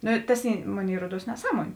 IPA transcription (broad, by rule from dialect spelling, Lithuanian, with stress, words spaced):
ˈnʊ ˈtɐs ˈiː ˈmoːˌnʲeːɪ ˈruɔˌduɔs nʲɛˈsɑːˌmuɔnʲeː